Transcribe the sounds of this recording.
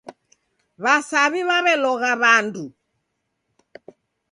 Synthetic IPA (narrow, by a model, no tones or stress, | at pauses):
βasaβiβaβɛlɔɣaβandu